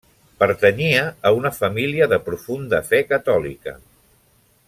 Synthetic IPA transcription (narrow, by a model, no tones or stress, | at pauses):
pəɾt̪əɲiəːunəfəmiliəðəpɾufund̪əfɛkət̪ɔlḭkə̰